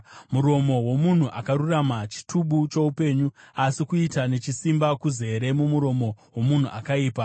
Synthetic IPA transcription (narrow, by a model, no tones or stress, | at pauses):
muɾo̞mo̞wo̞mun̤uʔakaɾuramat͡ʃi̥tʰuɓut͡ʃo̞upe̞ːɲuasikuitane̞t͡ʃisimbakuze̞ɾe̞mumuɾo̞mo̞wo̞mun̤uʔakaiːpa